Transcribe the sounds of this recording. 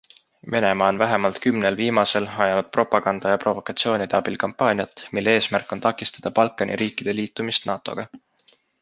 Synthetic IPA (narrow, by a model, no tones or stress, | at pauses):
ve̞ne̞mɑːo̞nvæɦemɑlt̪kymnelviːmɑse̞lɑjɑnud̪̥̚pro̞pːˑɑɡ̥ɑnd̪̥ɑjɑpro̞vo̞kːˑɑt̪sio̞ːnʲid̪̥eɑb̥ilkɑmpːˑɑːnʲijɑt̪ːˑmilːee̞ːsmærkːˑo̞nt̪ɑkːˑist̪ɑ̥d̪̥ɑpɑlkˑːɑnʔḭɾiːkːˑid̪̥e̞liːt̪ːˑumist̪nɑːt̪ˑo̞̰ɡ̥ɑ